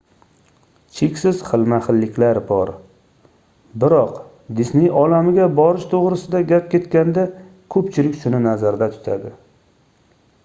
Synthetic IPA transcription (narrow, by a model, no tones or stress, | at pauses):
t͡ʃʰekʲsɪz̥χɨlˠmaχɨlːɪkʲlaɾbɒɾ | bɪɾɒq | d̪ɪsnɪɒlamɪɡʲabɒɾɪʃt̪ʰoʁɾɪsɪd̪aɡʲap̚kʲʰe̞t̪kʲand̪a | kʰɵpt͡ʃʰɪlɪkʲsʊnɪnazaɾd̪at̪ʰʊ̥t̪ʰa̰d̪ɪ